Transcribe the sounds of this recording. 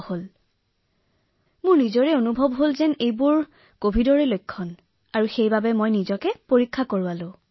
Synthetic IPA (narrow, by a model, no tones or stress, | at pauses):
hol | mʊɹnizɔɹɛonubʱɔbɦolzɛnejbʊɹ | kobʱidɔɹɛlojkʰːɔn | aɹuxejbabɛmojnizɔkɛpoɹikʰːakoɹʊalʊ̃